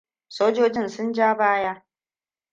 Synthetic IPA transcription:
soː˦d͡ʒoː˦d͡ʒɪ˦nsʊ˦nd͡ʒaː˦baː˦ja˦ʔ

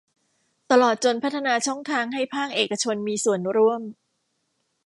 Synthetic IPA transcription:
t̪a˧lɔː˨˩t̪̚t͡ɕo˧npʰa˦˥t̪ʰːa˧naː˧t͡ɕʰɔ˥˩ŋt̪ʰaː˧ŋɦa˥˩jpʰaː˥˩k̚ʔeː˨˩kːa˧t͡ɕʰo˧nmiː˧su˨˩ənɾu˥˩əm

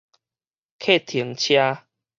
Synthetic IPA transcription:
kʰe˥˦˨t̪ʰi˨˦ə˦ŋt͡ɕʰja˦

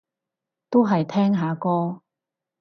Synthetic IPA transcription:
t̪o˥wɦɐ˨jt̪ʰɛː˥ŋɦaː˨˥kɔː˥

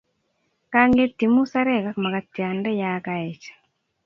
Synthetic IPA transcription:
ka˦ŋɡe˦ti˨mu˦sa˦ɾɛ˦˨ka˦kma˨ka˨tja˨ndɛ˦jakaɛ˨t͡ʃḁ˨

